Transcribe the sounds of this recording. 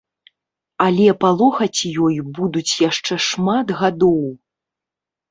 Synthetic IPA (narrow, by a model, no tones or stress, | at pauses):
alʲɛpalˠɔxɐt͡sʲjɔjbud̪ut͡sʲjaʂt͡ʂɛʂmad̪ɣad̪ɔw